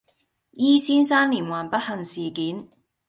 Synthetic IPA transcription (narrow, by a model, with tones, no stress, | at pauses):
jiː˥siː˥nsaː˥nliː˨˩nwaː˨˩npɐ˥t̚hɐ˨ŋsiː˨˩kiː˨˥n